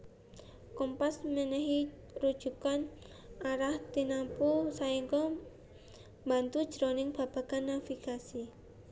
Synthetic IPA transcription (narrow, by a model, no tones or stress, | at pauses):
kɔmpasmənɛɦi | ɾud̥ʒ̥ṳkan | aɾaht̪inapusaiŋkɔ | mbant̪u̥d͡ʒ̥ɾɔnɪŋb̥a̤b̥a̤ɡ̥anːafiɡ̥asi